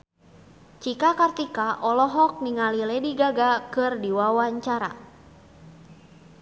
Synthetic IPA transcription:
t͡ʃikakart̪ikaʔɔlɔɦɔk̚miŋalilɛdiɡaɡakɨrdiwawaɲt͡ʃaɾa̰

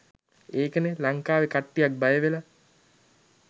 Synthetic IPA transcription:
eːkənelaŋkaːʋekaʈːijak̚bajəʋela

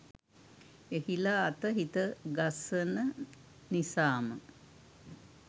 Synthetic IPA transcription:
ehilaːt̪əɦit̪əɡasənə | nisaːmə

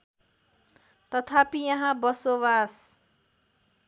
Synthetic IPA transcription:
t̪ʌt̪ʰapijʌɦãbʌsoβas

